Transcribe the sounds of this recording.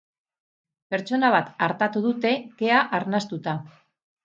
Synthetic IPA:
pe̞ɾt͡ʃo̞naβ̞at̪aɾt̪at̪uðut̪e̞ke̞aʔaɾnast̪ut̪a

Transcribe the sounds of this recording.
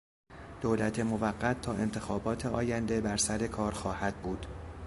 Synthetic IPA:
d̪̥oːlæt̪ʰemovæɢːæt̪ʰːɒːʔe̞nt̪ʰe̞xɒːbɒːt̪ʰeɒːjænd̪e̞bæɾsæɾe̞kʰɒːɾxɒːhæd̪̚buːd̪̥

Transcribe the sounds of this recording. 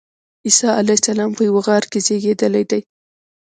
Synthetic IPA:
isɑalajsalɑmpəjawəɣɑɾkezeɡed̪əlajd̪aj

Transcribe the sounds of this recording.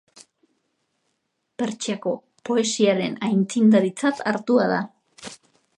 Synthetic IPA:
pe̞ɾt͡ʃiako̞ | po̞e̞siaɾe̞najnt͡sind̪aɾit͡sat̪aɾt̪uað̞a

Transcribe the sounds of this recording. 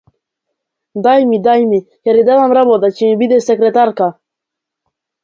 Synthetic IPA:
d̪ajmid̪ajmikaɾid̪avamɾabɔd̪at͡ɕimibid̪ɛsɛkɾɛt̪aɾka

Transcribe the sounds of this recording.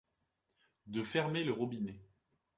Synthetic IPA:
d̪əfɛʁmeləʁɔbine

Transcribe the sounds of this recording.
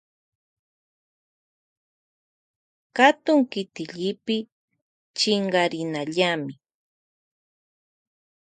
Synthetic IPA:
kat̪ʊŋkɪt̪ɪʎɪpɪ | t͡ʃɪɴɢɑɾɪnaʎamɪ

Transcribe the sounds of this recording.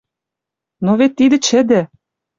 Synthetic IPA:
novet̪ːid̪ɘ̆t͡ɕɘ̆d̪ɘ̆

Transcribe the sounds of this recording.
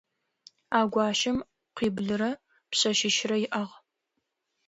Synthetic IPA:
aːɡʷɑːʃɪm | qʷiːbɮɨɾɐ | pɕɐʃɪʃrɐjɪʔɐʁ

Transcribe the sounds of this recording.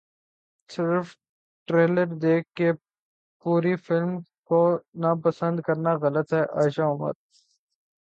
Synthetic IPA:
sɪɾf | ʈɾeːləɾd̪eːkʰkːe | puːɾifɪlmkonapɐsə̃nd̪kɐɾnaɣɐlət̪ɦɛʔaːʃaɦʊmə̰ɾ

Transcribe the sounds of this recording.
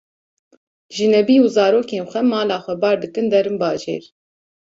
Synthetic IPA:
ʒɨnɛbiːuzɑːɾoːkeːnxʷɛmɑːlɑːxʷɛbɑːɾd̪ɨkɨnd̪ɛɾɨmbɑːʒḛːɾ

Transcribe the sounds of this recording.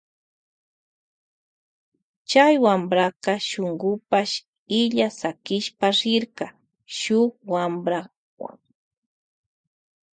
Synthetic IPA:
t͡ʃajwambɾaqɑʃʊŋɡʊpaʃ | ɪʎasakɪʃpaɾɪɾkɑ | ʃʊkwambɾa | wa̰ŋ

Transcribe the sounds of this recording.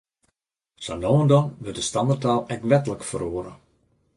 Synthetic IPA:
sanoːəndɔmʋɪdəstɑmətalˠɛkʋɛtələkfəroːəɾə

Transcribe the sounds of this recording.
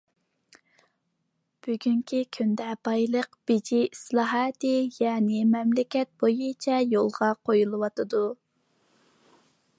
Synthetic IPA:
b̥yɡʲyŋkʲʰikʲʰynd̪ɛbɑjlˠəqb̥ɪd͡ʒiislˠɑːɦɑːt̪ɨjɑːnɪmɛmlɪkʲɛt̪̚bojut͡ʃʰɛjolˠʁɑqʰojulˠɨwɑt̪ɨd̪u

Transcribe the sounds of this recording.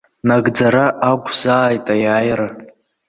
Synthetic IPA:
naɡd͡zaɾaʔaɡʷʰʼzaːjtʼajaːjaɾa

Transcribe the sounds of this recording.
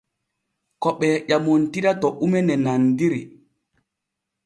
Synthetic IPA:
kɔɓɛʄamontiɗatɔʔumɛnɛnandiɾḭ

